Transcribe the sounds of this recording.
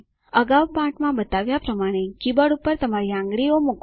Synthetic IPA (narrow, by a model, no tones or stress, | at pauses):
əɡawpãʈmãbət̪aʋjapɾəmaɽ̃ekibəɽupːəɾt̪əmaɾiãŋɡɭiomuk